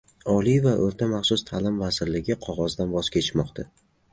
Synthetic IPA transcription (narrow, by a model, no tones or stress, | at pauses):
ɒlivaʔoɾt̪ʰamaχsʊst̪ʰalɪmvazɪɾlɪɡʲɪqʰɒʁɒzd̪anbɒz̥kʲʰet͡ʃʰmɒqt̪ʰa